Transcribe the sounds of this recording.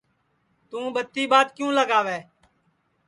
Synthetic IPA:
t̪ũːbət̪ːiːbaːt̪kjũːləɡaːʋɛː

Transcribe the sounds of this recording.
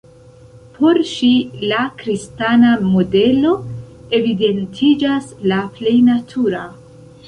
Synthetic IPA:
pʰo̞ɾʃilakɾistanamo̞de̞lo̞e̞vide̞ntʰid͡ʒaslaple̞jnatʰuɾa

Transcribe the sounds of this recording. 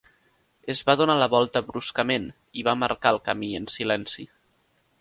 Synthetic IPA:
əzβaðunaləβɔlˠt̪əβɾuskəmen | iβaməɾkaəlˠkəmiənsilɛnsi

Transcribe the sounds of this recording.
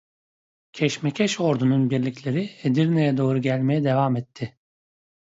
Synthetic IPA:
cʰɛʃmɛcʰɛʃo̞ɾd̪ununbiɾlʲicʲlʲe̞ɾied̪iɾnejɛd̪o̞ːɾuɟælʲme̞jɛd̪e̞vamɛt̪ʰːɪ

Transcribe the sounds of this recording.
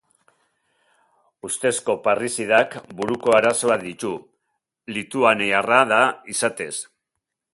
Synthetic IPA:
ust̪e̞sko̞parisiðakbuɾuko̞aɾaso̞aðit̪u | lit̪uanearaðaisat̪e̞s

